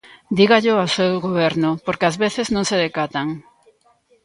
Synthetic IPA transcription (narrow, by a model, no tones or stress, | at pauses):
d̪iɣaʎʊasewɣoβ̞eɾnʊpoɾkeazβeθeznõŋseðekat̪aŋ